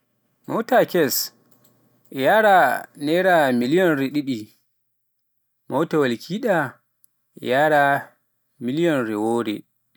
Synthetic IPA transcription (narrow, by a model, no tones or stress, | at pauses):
mɔwtakɛs | jaːɾanɛɾamilijɔnɾɛɗiɗi | mawtawalkʰiːɗa | jaːɾa | milijɔnɾɛwoːɾɛ̰